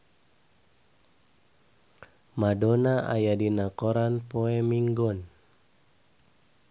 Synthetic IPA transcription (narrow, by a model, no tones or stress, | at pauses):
madɔnaʔa̰jadinakɔɾanpɔɛmiŋɡɔn